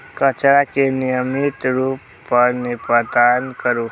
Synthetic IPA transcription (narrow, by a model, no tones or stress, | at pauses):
kət͡ʃɾakenijəmit̪ɾupːəɾnepəd̪ankəɾu